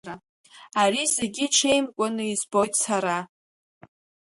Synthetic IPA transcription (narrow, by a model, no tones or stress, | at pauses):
a | aɾizeɡʲiʈ͡ʂʰe̞jmkʷʼʊnɨizbo̞jtʼsaɾa